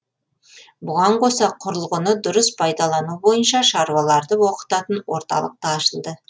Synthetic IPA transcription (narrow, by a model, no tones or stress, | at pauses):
bʊʁɑɴqʰo̞sɑqʰʊɾəlˠʁənəd̪ʊɾəspʰɑjd̪ɑlˠɑnubo̞jənʃɑʃɑɾwɑlˠɑɾd̪əwo̞qə̥t̪ɑt̪ənwo̞̰ɾt̪ɑ̰lˠə̰q̚t̪əɑʃəlˠd̪ə